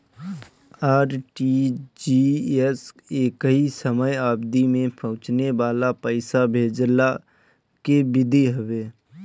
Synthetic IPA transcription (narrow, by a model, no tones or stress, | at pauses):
aːɾʈid͡ʒies | eːkɦisəməjaːbd̪imẽpʰəʊ̃t͡ʃneʋaːlapəɪsabʱeːd͡ʒla | kebɪd̪eɦəʋeː